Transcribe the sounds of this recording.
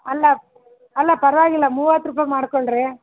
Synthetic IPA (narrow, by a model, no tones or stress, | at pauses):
ɐlːa | ɐlːapɐɾʋaːɣɪlːaːmuːʋaːt̪ɾɯpːamaːɽɯkːɔɭɾɯ